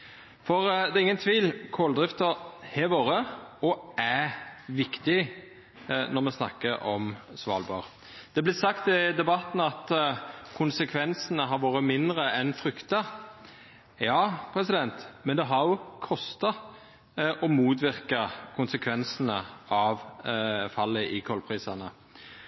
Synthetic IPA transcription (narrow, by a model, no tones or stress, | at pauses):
fɔʁd̪ɛɪŋːənt̪ʰʋiːlkʰɔld̪ʁɪft̪əhɛʋoːɾəɔæʋɪkt̪ɪ | nɔʁmɛsnɑ̰kːəʔɔ̰msʋɑ̰ːlbɑ̰ːʁ | d̪̥ɛblɪt̪sɑkt̪ɪd̪ɛbɑt̪n̩ɑt̪kʰʊnsəkʰʋɛnsənəɦɑɾʋoːɾəmɪnd̪ɾəɛnfɾʏkt̪ɑ | jɑːpʰɾɛsɪd̪ɛnt̪mɛnd̪ɛɦɑɾjʊkʰɔst̪ɑ | ʔɔmuːt̪ʋɪʁkɑkʰʊnsəkʰʋɛnsənəʔɑʋfɑlːəʔɪkʰɔlpʰʁiːsɑnə